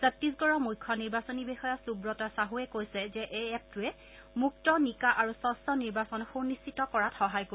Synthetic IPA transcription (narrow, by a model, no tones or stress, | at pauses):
sɛp̚tis̬ɡɔɹɔmujkʰːɔniɹbasonibexɔjasubɹɔtasaɦuɛkojsɛzɛʔeɛp̚tuɛ | muk̚tɔnikaʔaɹusɔsɔniɹbasɔnxunistitɔkɔɹatxɔɦajko